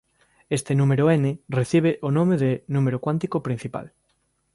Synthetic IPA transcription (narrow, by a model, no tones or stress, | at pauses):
est̪enũmeɾoenereθiβ̞eʔonõmeðenũmeɾokwant̪ikopɾin̟θipa̰l